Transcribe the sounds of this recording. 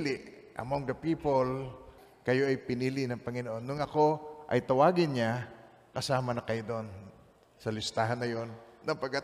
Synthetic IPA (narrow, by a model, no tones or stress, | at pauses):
lɪ | ʔɐ̰moŋd̪ɐpiːpol | kɐjoʔɐjpɪniːlɪnɐŋpɐŋɪnoʔonːʊŋɐkoʔɐ̰jt̪ɐwaːɡɪnɲa | kɐsaːmɐnɐkɐjod̪oʔon | sɐlɪst̪aːɦanːɐjonːɐŋpɐɡ̚kːa